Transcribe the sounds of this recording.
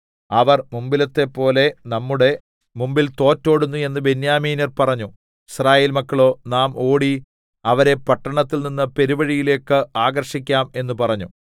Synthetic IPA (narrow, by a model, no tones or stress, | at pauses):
ɐʋɐrmumbilɐt̪ːe̞pːo̞ːle̞nɐmːuɽe̞ | mumbilt̪o̞ːtːo̞ːɽunːue̞nːɨbenjaːmiːnɐrpɐrɐɲːu | israːjeːlmɐkːɐɭo̞ːnaːmo̞ːɽi | ɐʋɐɾe̞pɐʈːɐɳɐt̪ːilninːɨpeɾuʋɐɻijile̞ːkːɨaːɡɐrʂik̬ʲːaːme̞nːupɐrɐɲːu